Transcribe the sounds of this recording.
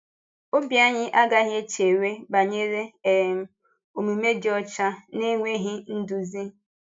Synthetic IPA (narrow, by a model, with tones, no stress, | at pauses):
o˦bja˦ɲɪ˦ʔa˦ɡa˦ɦe˦t͡ʃe˨we˦ba˨ɲe˦ɾe˦e˨m̩˦ | o˨mi˨me˦di˨ɔ˦t͡ʃa˦ne˦ŋʷe˦ɦi˦n̩˦du˨zi˦